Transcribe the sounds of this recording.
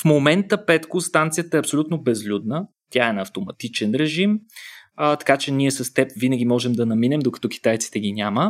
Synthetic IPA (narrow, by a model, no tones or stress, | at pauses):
fmomɛnt̪əpɛt̪kʊst̪ant̪sijət̪əɛɐpsolʲut̪nobɛzlʲud̪nə | t̪ʲjaɛnɐft̪omɐ̰t̪it͡ʃɛnɾɛʒim | t̪ɐ̥kat͡ʃɛnʲiɛsɐst̪ɛpvinəɡʲimɔʒɛmd̪ɐnɐminɛmd̪okɐ̥t̪ɔki̥t̪ajt̪si̥t̪ɛɡʲinʲamə